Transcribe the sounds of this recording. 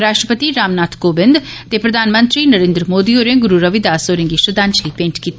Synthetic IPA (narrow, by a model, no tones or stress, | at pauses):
ɾaːʃʈɾəpət̪iɾaːmnaːt̪ʰkoːbɪ̃nd̪t̪epɾɐd̪ʱaːnmə̃nt̪ɾinɐɾẽːnd̪ɾəmoːd̪ioːɾẽɡʊɾuɾɐʋid̪aːsoːɾɪ̃ŋɡiʃɐd̪aːnt͡ʃlipẽːɳʈkiːt̪ː